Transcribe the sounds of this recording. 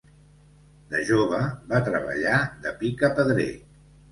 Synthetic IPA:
d̪əʒoβ̞əβat̪ɾəβə̰ʎaðəpikəpəðɾḛ

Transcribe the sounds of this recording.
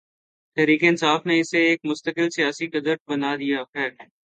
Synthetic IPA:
t̪ɛːɾiːkeɪnsaːfneɪseeːk̚mʊst̪əkɪlsijaːsikɐd̪əɾʈ̚bɐnaːd̪ijaxɛːɾ

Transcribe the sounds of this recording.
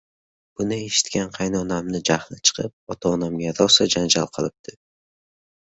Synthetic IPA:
b̥ʊnɪe̞ʃɪ̥t̪kʲanqʰɑjnɒnamnɪd͡ʒahlɪt͡ʃʰɨ̥qʰɨp̚ɒt̪ʰɒːnamɡʲad̪ɒsad͡ʒand͡ʒalˠqʰɨlˠɪp̚d̪̥ʰɪ

